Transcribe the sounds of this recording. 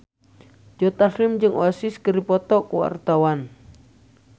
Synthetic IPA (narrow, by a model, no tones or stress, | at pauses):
d͡ʒɔt̪ahɪmd͡ʒɨŋʔo̰asɪskəɾipɔt̪ɔkuwa̰rt̪awan